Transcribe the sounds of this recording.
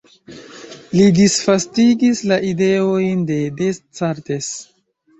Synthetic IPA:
lidisfastiɡislaʔide̞ojnde̞dest͡saɾtes

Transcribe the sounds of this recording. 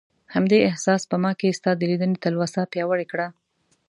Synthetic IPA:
hamd̪eɪhsɑspəmɑkest̪ɑd̪əlid̪ənet̪alwasapjɑwəɽekɽa

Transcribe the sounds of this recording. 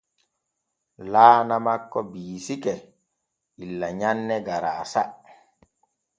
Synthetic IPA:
laːnamakːɔbiːsikɛ | ilːaɲanːɛɡaɾaːsa

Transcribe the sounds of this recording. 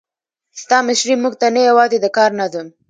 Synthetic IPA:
st̪ɑmɪʃɾimuɡ̚t̪anajawɑzed̪əkɑɾnazum

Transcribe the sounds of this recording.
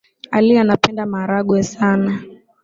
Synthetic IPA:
alianapɛndamaɾaɡwɛsana

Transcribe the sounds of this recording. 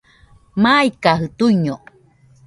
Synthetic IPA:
majkaɦɯt̪uiɲo

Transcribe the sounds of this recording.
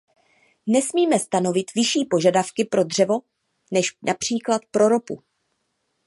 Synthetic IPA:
nɛsmiːmɛst̪ano̞vɪt̪vɪʃiːpo̞ʒadafkɪpɾo̞dr̝ɛvo̞ | nɛʃnʔapr̝̥iːklat̪pɾo̞ɾo̞pu

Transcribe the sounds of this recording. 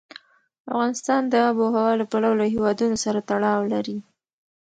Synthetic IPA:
afɣɑnɪst̪ɑnd̪əaboɦawɑlapalawlaɦewɑd̪unosaɾat̪aɽɑwlaɾi

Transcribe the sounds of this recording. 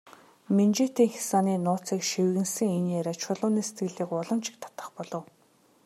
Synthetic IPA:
ment͡ɕeːt̪iːŋxi̥saːniːnʊːt͡siːkʃewɣɘ̆nsɘ̆ŋenːæɾʲaːt͡ɕʰʊɮʊːniːse̥t̪ɡɘ̆ɮiːkʊɮɞ̆mt͡ɕʰɪ̥k̚t̪ʰḁt̪ə̆χpɔɮɞ̆w

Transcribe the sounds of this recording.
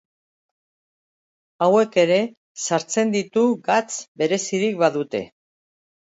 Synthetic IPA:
awe̞ke̞ɾe̞ | saɾt͡se̞nd̪it̪uɡat͡sbe̞ɾe̞siɾik̚βaðut̪e̞̰

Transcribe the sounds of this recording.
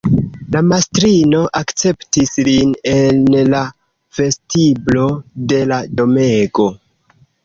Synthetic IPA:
lamastɾino̞ʔakt͡se̞ptisline̞nla | ve̞stiblo̞de̞lado̞meɡo̞

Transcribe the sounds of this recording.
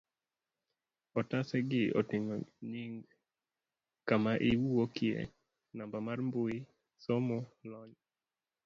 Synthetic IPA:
ɔtasɛɡɪo̰tɪŋo̰ɲiŋɡ | kamaʔiwuokɪḛ | nambamarmbʊi | somɔlɔɲ

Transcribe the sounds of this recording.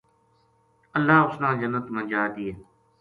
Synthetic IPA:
əlːaːʊsnãːd͡ʒənːət̪mənd͡ʒaːɾd̪iːeː

